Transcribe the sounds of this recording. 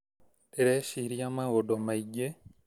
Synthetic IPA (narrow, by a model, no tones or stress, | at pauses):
tiɾeʃiɾiamaɣodomaiɟe